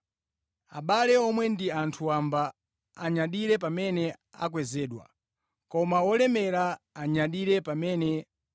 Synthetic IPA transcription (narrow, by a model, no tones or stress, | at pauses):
aɓalɛɔmwɛndiantʰuambaː | ɲaɗiɾɛpamɛnɛa̰k̬wɛzɛːɗwa̰ | kɔmawɔlɛmɛɾaːɲaɗiɾɛpamɛnɛ